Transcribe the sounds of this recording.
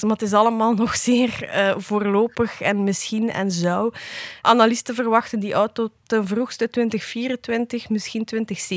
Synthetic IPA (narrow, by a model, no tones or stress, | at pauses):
matɪs̬ɑləmaːlˠnɔxz̥eːrəːvoːrloːpəxɛ̰nmɪsxinɛ̰nzɔwʔanalistəvərʋɑxtəndiʔɔwtotənvruxstətwʋɪntəxfiːɾəntʋɪntəxmɪsxintʋɪntəxseː